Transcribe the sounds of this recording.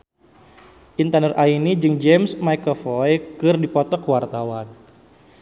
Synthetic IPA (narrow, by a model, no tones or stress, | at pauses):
ʔint̪anərʔainid͡ʒɨŋd͡ʒɛmsmajkəfɔjkɨrdipɔt̪ɔkəwart̪awan